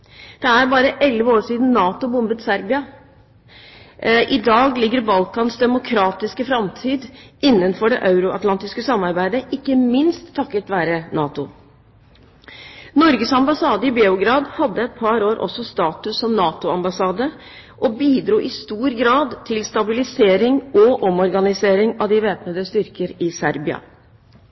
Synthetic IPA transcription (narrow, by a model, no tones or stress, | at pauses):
d̪̥ɛæɾbɑːɾəʔɛlʋəoːʂiːd̪n̩nɑːt̪ʊbʊmbət̪sæɾbɪɑ | ʔɪd̪ɑːɡlɪɡːəɾbɑlkɑnsd̪ɛmʊkʰɾɑːt̪ɪskəfɾɑmt̪ʰiːd̪ɪnːənfɔɖɛʔɑʉɾʊʔɑt̪lɑnt̪ɪskəsɑmːɑɾbæɪd̪əʔɪkːəmɪnst̪ʰːɑkːət̪ʋæːɾənɑːt̪ʊ | nɔɾɡəsɑmbɑsɑːd̪əɪbeːʊɡɾɑːd̪hɑd̪ːəɛt̪̚pʰɑɾoːɾʔɔ̰sɔst̪ɑːt̪ʉsːɔmnɑːt̪ʊɑmbɑsɑːd̪ə | ʔɔbiːd̪ɾuːʔɪst̪uːɾɡɾɑːd̪t̪ʰɪlst̪ɑbɪlɪseːɾɪŋɔʔɔmɔɾɡɑnɪseːɾɪŋɑʋd̪ɪʋeːpnəd̪əst̪ʏɾkəɾɪsæɾbɪɑ̰